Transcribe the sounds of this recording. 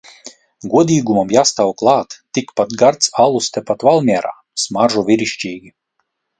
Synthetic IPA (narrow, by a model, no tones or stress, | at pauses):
ɡuɔd̪ʲiːɡumamjaːst̪awklˠɑːt̪ːikpat̪ɡaɾt̪salˠust̪ɛpat̪valˠmʲiɛɾa̰ː | smaɾʒuvʲiɾiʃt͡ʃʲiːɡʲi